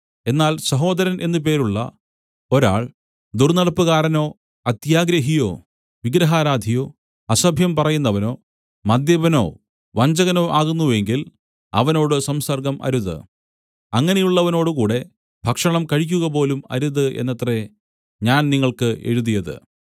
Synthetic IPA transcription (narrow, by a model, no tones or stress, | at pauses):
e̞nːaːlsɐɦo̞ːd̪ɐɾɐnʔe̞nːɨp̬e̞ːɾuɭːɐ̰ | o̞ɾa̰ːɭ | d̪urnɐɽɐpːuɣaːɾɐno̞ː | ɐt̪jaːɡɾɐɦijo̞̰ː | ʋiɡɾɐɦaːɾaːd̪ʱijo̞ː | ɐsɐbʱjɐmpɐrɐjunːɐʋɐno̞ː | mɐd̪jɐbɐno̞̰ː | ʋɐɲd͡ʑɐɣɐnoːʔaːɣunːue̞ŋɡil | ɐ̰ʋɐno̞ːɽɨsɐmsɐrɡɐmʔɐ̰ɾuðɨ̰ | ɐŋːɐnejuɭːɐʋɐno̞ːɽɨkuːɽe̞ | bʱɐkʂɐɳɐmkɐɻik̬ʲːuɣɐp̬o̞ːlumɐ̰ɾuðɨʔe̞̰nːɐt̪re | ɲaːnniŋːɐɭkɨʔe̞̰ɻuðijɐðɨ̰